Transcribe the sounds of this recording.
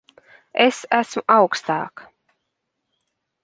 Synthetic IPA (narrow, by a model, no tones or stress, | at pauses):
esæsmuʔɑwkst̪a̰ːk